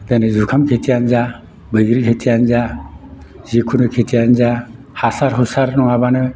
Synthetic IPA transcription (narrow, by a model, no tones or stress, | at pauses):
t̪anɛzukʰamkʰet̪ʰijand͡ʒa | bəɡɾiet̪ʰijanza | zikʰunɯkʰet̪ʰijanza | hasaɾɦusaɾnɔŋabanɯ